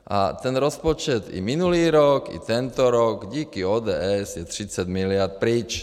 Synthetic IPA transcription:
ʔa̰t̪ɛnɾɔspɔt͡ʃɛt̪ḭminuliːɾɔkḭt̪ɛnt̪ɔɾɔɡɟiːkiɔːd̪ɛːɛzjɛt̪ɾit͡saɟmilɪaɾt̪̚pɾiːt͡ʃ

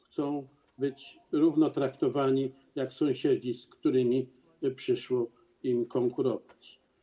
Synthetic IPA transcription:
xt̪sɔ̃w̃ | bɘt͡ɕ | ɾuvnɔt̪ɾakt̪ɔvaɲi | jaksɔ̃w̃ɕed͡ʑiskt̪uɾɘmʲi | pʂɘʂwɔ | imkɔŋkuɾɔvat͡ɕ

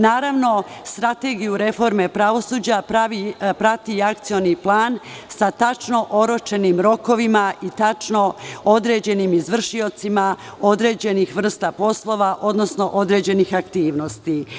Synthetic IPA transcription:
naːɾaʋno̞st̪ɾat̪e̞ɡijuɾe̞fo̞ɾme̞pɾaʋo̞suːd͡ʑapɾaʋipɾat̪iakt̪sijo̞niplˠaːnsat̪at͡ʃno̞ʔo̞ɾo̞t͡ʃe̞nimɾo̞ko̞ʋimaʔit̪at͡ʃno̞od̪ɾe̞ːd͡ʑe̞nimizʋr̩ʃio̞t̪simao̞d̪ɾe̞ːd͡ʑe̞nixʋr̩st̪apo̞slˠo̞ʋaʔo̞d̪no̞sno̞ʔo̞d̪ɾe̞ːd͡ʑe̞nixakt̪iːʋno̞st̪i

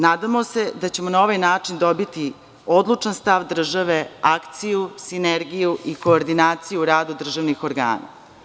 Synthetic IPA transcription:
naːd̪amose̞d̪at͡ɕe̞mo̞nao̞ʋajnaːt͡ʂind̪o̞bit̪i | o̞d̪lˠut͡ʂanst̪aʋd̪r̩ʒaʋe̞akt̪sijusineɾɡijuʔiko̞ːɾd̪inaːt̪sijuɾaːd̪ud̪r̩ʒaʋnixo̞ɾɡa̰ːna̰

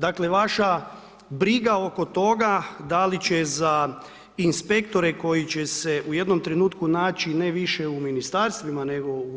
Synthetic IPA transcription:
d̪akleʋaʃa | bɾiɡao̞ko̞t̪o̞ɡad̪alit͡ɕeza | inspe̞kt̪o̞ɾeko̞jit͡ɕese̞uje̞d̪no̞mt̪ɾenuːt̪kunaːt͡ʃineʋiʃeuminist̪aɾst̪ʋimane̞ɡo̞u

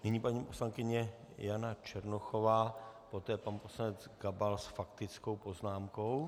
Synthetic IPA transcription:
nɪɲiːpaɲiːpo̞slaŋkɪɲɛ | janat͡ʃɛɾnoxo̞vaːpo̞t̪ɛːpanpo̞slanɛd͡zɡabalsfakt̪ɪt͡sko̞wpo̞znaːmko̞w

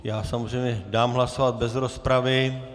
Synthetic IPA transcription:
jaːsamozrɛjmɲɛdaːmɦlaso̞vad̪̚bɛzɾo̞spɾavɪ

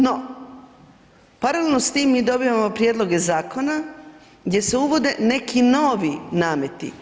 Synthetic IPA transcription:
no | paɾalelnost̪iːmːiːd̪o̞biʋamo̞pɾjed̪lˠo̞ɡe̞zaːko̞na | ɡd̪je̞seuʋo̞d̪e̞ne̞kʰinoːʋinaːmet̪ḭ

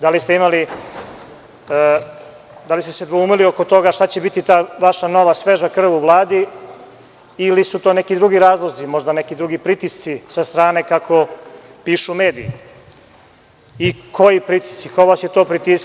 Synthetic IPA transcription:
d̪alist̪eimali | d̪alist̪e̥sed̪ʋouːmilio̞ko̞t̪o̞ɡaʃt̪at͡ɕe̞bit̪it̪aːʋaʃano̞ʋasʋe̞ʒakr̩ʋuʋlˠaːd̪i | lisut̪oːne̞kid̪ɾuɡiɾaːzlˠozimo̞ʒd̪anekid̪ɾuɡipɾit̪ist̪sisast̪ɾaːne̞kakʰo̞piːʃume̞ːd̪iji | ikʰojipɾit̪i̥st̪sikoʋasjet̪o̞ːpɾit̪is

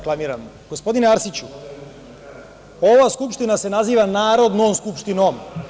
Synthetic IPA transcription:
klamiːɾam | ɡ̥o̞spo̞d̪ineaɾsit͡ɕu | o̞ʋaskupʃt̪inase̞naziːʋanaːɾo̞d̪nomskupʃt̪ino̞m

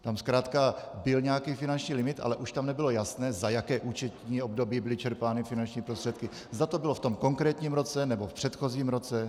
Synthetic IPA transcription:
t̪amskɾaːt̪kabɪlɲɛjakiːfɪnant͡ʃɲiːlɪmɪt̪ʔa̰lɛʔuʃt̪amnɛbɪlo̞jasnɛːzajakɛːʔuːt͡ʃɛt̪ɲiːo̞bdo̞biːbɪlɪt͡ʃɛɾpaːnɪfɪnant͡ʃɲiːpɾost̪r̥ɛt̪kɪ | zdat̪o̞bɪloft̪o̞mko̞ŋkɾɛːt̪ɲiːmɾo̞t͡sɛnɛbo̞fpr̥ɛt̪xo̞ziːmɾo̞t͡sɛ

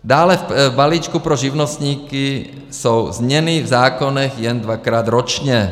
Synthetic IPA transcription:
daːlɛfbaliːt͡ʃkupɾoʒivnost̪ɲiːki | sowzɲɛnivzaːkonɛxjɛnd̪vakɾaːd̪ɾot͡ʃɲɛ

